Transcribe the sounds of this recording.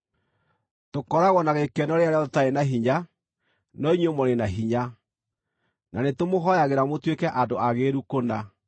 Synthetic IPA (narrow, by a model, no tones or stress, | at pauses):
tokɔɾaɣwɔnaɣekɛnɔɾeaɾeɔðɔtaenaɦiɲa | nɔiɲwemoɾenaɦiɲa | nanetomoɦɔjaɣeɾamotwekɛʔandoaɣeɾukona